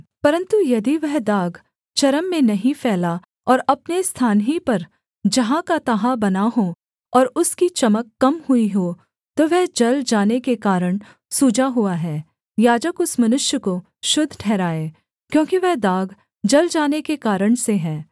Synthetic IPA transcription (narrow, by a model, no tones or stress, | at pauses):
pɐɾə̃nt̪ujɐd̪iʋɛɦd̪aːɡ | t͡ʃɐɾəmːẽnɐɦĩfɛːla | ɔːɾɐpnest̪ʰaːnɦipɐɾ | d͡ʒɐɦãkat̪ɐɦabɐnaɦo | ɔːɾʊskit͡ʃɐməkːɐmhuiɦoː | t̪oʋɛɦd͡ʒɐld͡ʒaːnekekaːɾəɽ̃ | suːd͡ʒaɦuaɦɛː | jaːd͡ʒəkʊsmɐnʊʃjəko | ʃʊd̪ʱːʈʰɛːɾaːeː | kjõːkiʋɛɦd̪aːɡ | d͡ʒɐld͡ʒaːnekekaːɾəɽ̃seɦɛ̃ː